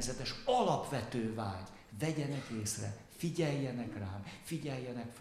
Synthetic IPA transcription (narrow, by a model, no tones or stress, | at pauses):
zɛt̪ɛʃɒlɒpʋɛt̪øːvaːɟ | vɛɟɛnɛkeːsrɛ̰ | fiɟɛjːɛnɛkraːmfiɟɛjːɛnɛkf